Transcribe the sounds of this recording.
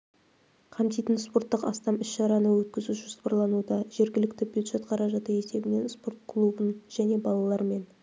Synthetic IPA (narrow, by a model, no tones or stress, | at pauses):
qʰɑnt̪ijt̪ənspo̞rt̪ːəqɑ̰st̪ɑmɪsʃɑɾɑnəwɵt̪̚kʲɪzuʒʊspɑɾlˠɑnud̪ɑʒe̞ɾɡʲɪlɪkt̪ɪbʲjuld̪ʒ̥e̞t̪qʰɑɾɑʒɑt̪əe̞se̞bɪne̞nspo̞ɾt̪kʰlˠubənʒ̥æne̞bɑlˠɑlˠɑɾme̞n